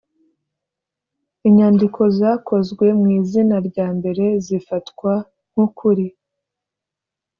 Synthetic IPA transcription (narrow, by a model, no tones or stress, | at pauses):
iɲaːndikʰo̞zaːkʰo̞zɡwe̞mŋiːzinaɾɟaːmbe̞ɾe̞zifatkwa | ŋ̥hukʰuɾi